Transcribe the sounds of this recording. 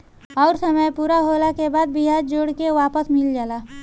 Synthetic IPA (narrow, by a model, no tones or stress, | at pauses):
ɔːɾsəməjpuːɾaɦoːlakebaːd̪̚bɪɦaːɾd͡ʒoːɽkeʋaːpəsmɪld͡ʒaːlaː